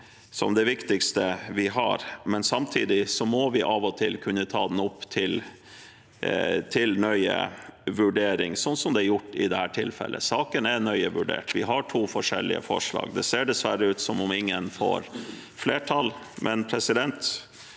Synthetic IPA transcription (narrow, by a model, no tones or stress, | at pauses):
sɔ̰md̪ɛʋɪkt̪ɪkst̪əʋɪɦɑ̰ɾmɛnsɑmt̪ʰiːd̪ɪsɔmɔʋɪʔɑʋɔt̪ʰɪlkʰʉnːət̪ʰɑːd̪n̩ʊpːt̪ʰɪl | t̪ʰɪlnœʏə̰ʋʉɖeːɾɪ̰ŋsɔnːsɔmd̪ɛæɾjʊʈːɪd̪ɛhæːʈʰɪlfɛ̰lʔə̰sɑːkənɛnœʏəʋʉɖḛːʈʋɪɦɑʈʰuːfɔʂɛ̰lːɪ̰ə̰fɔ̰ʂɭɑ̰ːɡd̪ɛseːɖɛsʋæɾəʉːt̪sɔmɔmɪŋːənfɔ̰ːɾ | fleːʈʰɑl | mʔɛnpʰɾɛsɪd̪ɛnt̪